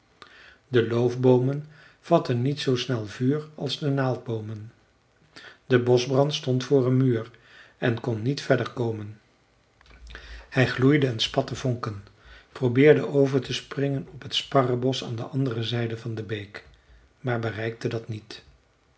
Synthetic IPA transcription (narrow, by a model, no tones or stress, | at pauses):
dəlowvbowmən | v̥ɑtənːitsowsnɛlˠvyːrɑlˠzdənaːlˠd̚bowmən | dəbɔzbrɑntstɔntfʊːrənmyːrɛnkɔnːitfɛdəɹkowmən | hɛjχlujdəːnspɑtəvɔŋkənprowbɪːɹdəʔowvəɹtəsprɪŋənɔpɦətspɑrəbɔsa̰ːndəʔɑndərəzɛjdəvɑndəbejk | maːɹbərɛjk̚tədɑtnit